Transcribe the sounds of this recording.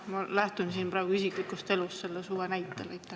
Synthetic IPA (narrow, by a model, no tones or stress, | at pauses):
mɑlæht̪unsiːnpɾɑˑːɡ̥uisiklikːˑust̪e̞lust̪se̞lːesuːwenæjt̪ˑːeleit̪ːˑe